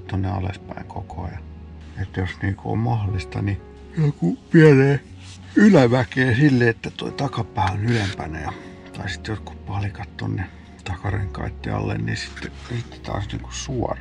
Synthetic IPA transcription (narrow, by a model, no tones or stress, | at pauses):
t̪onːeɑ̰lḛspæiŋkʰokoɑ̰jɑ | et̪ːæjosniːkuo̰mmɑholːˑist̪ɑ̰ni | kupiæneː | ylæʋækeːsilːeet̪ːæt̪o̰it̪ɑkɑpæːonylempænæjɑ | t̪ɑisi̥t̪jot̪ku̥ppɑlikɑt̪t̪o̰nːe | t̪ɑkɑreŋkɑ̰it̪ːiɑ̰lːḛnniːsi̥t̪ːe | sit̪ːe̥t̪ɑ̰ːsniːŋku̥ssuɑrɑ